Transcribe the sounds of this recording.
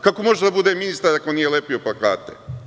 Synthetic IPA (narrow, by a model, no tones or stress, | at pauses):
kakomo̞ʒed̪abud̪eːminist̪aɾakoniːjelepioplaka̰ːt̪ḛ